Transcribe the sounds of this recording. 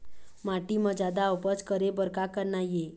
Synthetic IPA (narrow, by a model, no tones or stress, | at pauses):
maʈiməd͡ʒad̪awpət͡skəɾebəɾkakəɾnaje